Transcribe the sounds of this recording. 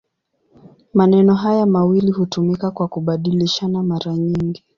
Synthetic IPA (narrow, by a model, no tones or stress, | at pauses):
manɛnɔɦajamawilihutumikakwakuɓaɗiliʃanamaɾaɲiŋɡi